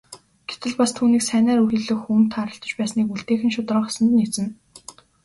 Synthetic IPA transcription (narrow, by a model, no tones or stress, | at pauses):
ɡ̥et̪ɘ̆ɮpast̪ʰuːniːksæːnʲæːɾuxĭɮɵ̆xum̥t̪ʰaɾə̆ɬt̪ə̆t͡ɕpæːsniːkuɮt̪eːxɘ̆nʃʊt̪rə̆χsə̆nt̪nit͡sɘ̆n